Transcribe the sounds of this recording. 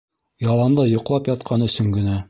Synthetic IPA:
jɑlˠɑnd̪ˠɤjŏqlˠɑpjɒt̪̚qʰɑnɵ̆sɵŋɡɘ̆næ

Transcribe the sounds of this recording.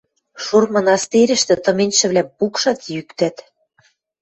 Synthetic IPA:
ʃurmɤ̆nɑst̪iɾɘ̆ʃt̪ɘ̆t̪ɤ̆menʲʃɘ̆βlʲæpukʃɑt̪jykt̪æt̪

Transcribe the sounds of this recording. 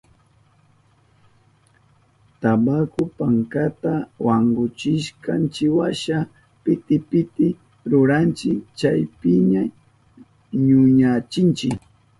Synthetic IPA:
t̪abakʊpaŋkat̪awaɴɢʊt͡ʃɪʃkant͡ʃɪwaʃa | pɪt̪ɪpɪt̪ɪ | ɾʊɾant͡ʃɪkt͡ʃajpɪɲa | ɲʊɲat͡ʃɪnt͡ʃɪk

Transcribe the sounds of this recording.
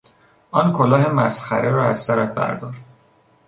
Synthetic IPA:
ʔɒːnkʰolɒːɦe̞mæsxæ̰ɾeɾɒːæzsæɾæt̪̚bæ̰ɾd̪ɒːɾd̪̥

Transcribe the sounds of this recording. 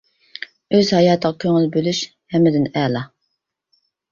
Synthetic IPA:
øzhɑjɑːt̪ʰəʁɑkʲʰøŋɪlbølyʃ | hɛmːɪd̪ɪnɛːlˠɑ

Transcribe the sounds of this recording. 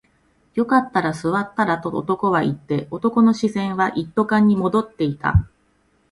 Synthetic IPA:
jo̞kat̪ːaɾasɨβat̪ːaɾat̪o̰ːt̪o̞ko̞βait̪ːe̞o̞t̪o̞ko̞no̞ɕisẽ̞ɰ̃βaʔit̪ːo̞kãɲ̟ːimo̞d̪o̞t̪ːe̞it̪a̰

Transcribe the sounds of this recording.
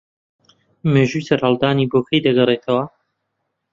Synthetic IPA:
meːʒujsɐɾhɐlˠd̪aːnibokʰɐjd̪ɐɡɐret̪ʰɐwɐ

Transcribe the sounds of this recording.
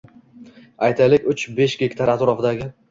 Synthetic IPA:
ajt̪ʰajlɪkʲʊt͡ʃbe̞ʃɡʲe̞kʲt̪ʰaɾat̪ɾɒfd̪aɡʲɪ

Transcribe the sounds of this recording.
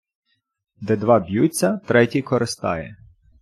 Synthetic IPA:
d̪ɛd̪ʋɑbʲjut͡sʲːɐt̪ɾɛtʲikɔɾɪst̪ɑ̰jɛ̰

